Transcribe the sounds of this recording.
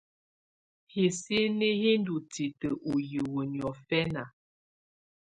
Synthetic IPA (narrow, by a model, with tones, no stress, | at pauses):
he˨se˦ne˦he˦n˦du˨ti˨tə˨ʔu˨jə˨wə˨njɔ˨fɛ˦na˨